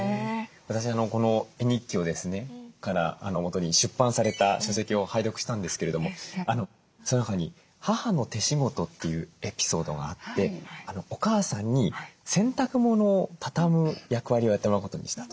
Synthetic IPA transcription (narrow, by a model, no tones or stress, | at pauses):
βat̪aɕiano̞ko̞no̞e̞ɲ̟ikʲːio̞d̪e̞sɨne̞kaɾa̰ːno̞mo̞t̪o̞ɲ̟iɕɨpːãɰ̃saɾe̞t̪aɕo̞se̞kʲio̞haid̪o̞kɯ̟ɕi̥t̪ãnd̪e̞sɨ̥keɾe̞d̪o̞mo̞ano̞ | sonnakaɲ̟i | hahano̞t̪e̞ɕiɡo̞t̪o̞t̪ːe̞jɯ̟e̞pʲi̥so̞ːd̪o̞̰ɡa̰ːt̪ːe̞ano̞okaːsãɲ̟ːisẽ̞nt̪akɯ̟mo̞no̞ːt̪ʰḁt̪amɯ̟jakɯ̟βaɾʲio̞jat̪ːemmkot̪o̞̰ɲ̟ḭɕi̥t̪ḁt̪o